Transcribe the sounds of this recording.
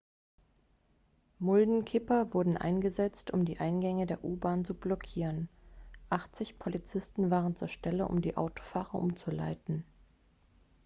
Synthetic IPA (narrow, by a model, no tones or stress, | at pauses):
mʊldn̩kʰɪpɐvʊɐdn̩ʔa̰ɪnɡəzɛt͡stʰʊmdiːʔaɪnɡɛŋədeːɐʔuːbaːnt͡sublɔkʰiːʁənʔaχt͡sɪçpʰolit͡sɪstn̩vaːʁ̞ənt͡sṵːɐʃtɛləʔʊ̰mdiːʔa̰ʊto̥faːʁɐ̰ʔʊmt͡sula̰ɪtn̩